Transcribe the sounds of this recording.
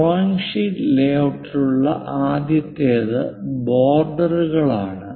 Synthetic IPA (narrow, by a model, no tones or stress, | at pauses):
aːŋʂileːʋʈruɭːɐ̰ʔaːd̪jɐt̪ːeːðɨboːrɖɐruɣɐɭaːɳɨ